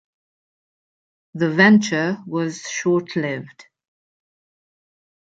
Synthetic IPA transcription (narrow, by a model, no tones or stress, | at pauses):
ðəvɛ̃nt͡ʃəwɒz̥ʃɔˑtʰlɪvd̥